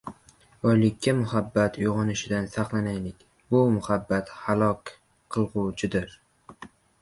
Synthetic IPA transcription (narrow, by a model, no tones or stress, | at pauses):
bɒjlɪkʲʰːamʊhabːat̪ʰʊjʁɒnɪʃɪd̪ansaqlˠanajlɪkʲ | bʊmʊhabːat̪halˠɒkʲ | qʰːɨlˠʁʊwt͡ʃʰɪd̪ɪɾ